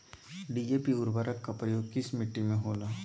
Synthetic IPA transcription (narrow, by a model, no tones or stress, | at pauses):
ɖiːd͡ʒeːpiʊɾbaɾəkːapɾəjoːɡ̚kɪsmɪʈːimẽɦoːnaː